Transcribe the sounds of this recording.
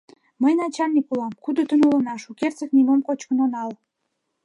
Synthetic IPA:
məjnɑt͡ɕɑnʲikulɑmkud̪ot̪ənulə̆nɑʃukert͡səknimomkot͡ɕkənonɑl

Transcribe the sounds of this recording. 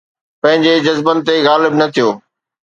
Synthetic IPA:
pɐ̃ɦɪ̃ɲd͡ʑed͡ʑɐzbənɪ̆t̪eɣaːlɪbnɐt̪ʰijoː

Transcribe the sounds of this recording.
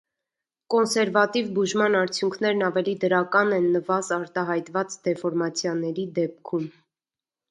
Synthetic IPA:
kɔnsɛɾvɑt̪ivbuʒmɑnɑɾt͡sʰjuŋkʰnɛɾnɑvɛlid̪əɾɑkɑnɛnːəvɑzɑɾt̪ɑɦɑjt̪vɑt͡sd̪ɛfɔɾmɑt͡sʰjɑnɛɾid̪ɛp̚kʰum

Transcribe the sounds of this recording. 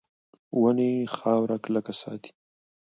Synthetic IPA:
wənexɑːwɾakləkasɑ̰ːt̪i̥

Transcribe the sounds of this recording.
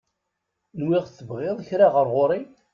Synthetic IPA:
nwɪʁθːəbʁɪðˤçɾaʁəɾʁʊɾi

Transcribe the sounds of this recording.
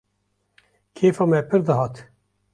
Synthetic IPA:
kʰeːfɑːmɛpʰɨɾd̪ɨɦɑːt̪

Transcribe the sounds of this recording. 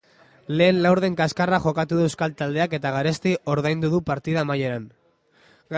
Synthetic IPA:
le̞ːnlawɾð̞e̞ŋkaskaraxo̞kat̪uðueskalt̪ald̪e̞ake̞t̪aɣ̞aɾest̪iʔo̞ɾð̞ajnd̪uðupaɾt̪iðamaje̞ɾan

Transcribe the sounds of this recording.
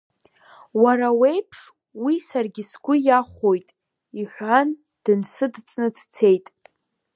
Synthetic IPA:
waɾawejpʰʂ | wisarɡʲɪsɡʷʊjaχʷojtʼ | iħʷan | d̥ɨnsɨdt͡sʼnɨd͡zt͡sʰe̞jtʼ

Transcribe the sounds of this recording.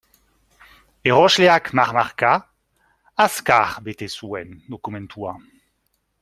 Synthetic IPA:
eʁɔʃleakmaʁmaʁka | askaʁbet̪esuɛnd̪ɔkumɛ̃nt̪ʰua

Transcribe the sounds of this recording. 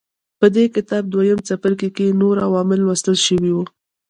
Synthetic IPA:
pəd̪ekɪt̪ɑb̚d̪wajəmt͡sapəɾkekenoɾawɑmɪlwast̪əlʃəwiwu

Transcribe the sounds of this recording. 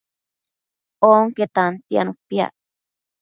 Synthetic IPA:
oŋket̪ant̪ia̰nũpia̰ʔ

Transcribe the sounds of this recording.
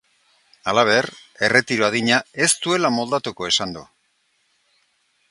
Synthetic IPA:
alaβe̞re̞re̞t̪iɾoaðiɲae̞st̪ue̞lamo̞ld̪at̪uko̞e̞sand̪ṵ

